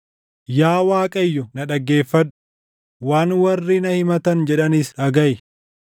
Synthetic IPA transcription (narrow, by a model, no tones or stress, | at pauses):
jaːwaːkʼɐjːɔnɐᶑɐɡːe̞ːfːɐᶑʊ̥ | waːnwɐrːiːnɐhɪmɐt̪ɐnd͡ʒɛᶑɐnisᶑɐɡɐʔɪ